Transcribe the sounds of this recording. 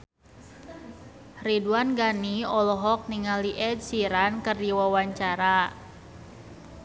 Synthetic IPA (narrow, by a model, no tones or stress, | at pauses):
riduanɡaniɔlɔɦɔk̚niŋaliʔɛd̚siɾankɨrdiwawaɲt͡ʃaɾa